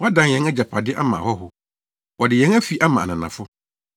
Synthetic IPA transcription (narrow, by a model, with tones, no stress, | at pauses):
wɔ˦a˦dã˨jɛ̃˦ŋɛ˦d͡ʑa˨pʰa˨dɪ˦ʔa˦mã̰˨hɔ˦ɦʊ˦ | wɔ˨dɪ˨jɛ̃˦ŋæ˦fi˨ʔa˦mã˨a˨nã˨nã˨fʊ˦